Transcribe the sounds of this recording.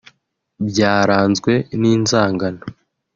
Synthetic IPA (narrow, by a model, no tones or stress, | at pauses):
bɟaːɾaːnzɡwe̞niːnzaːŋɡano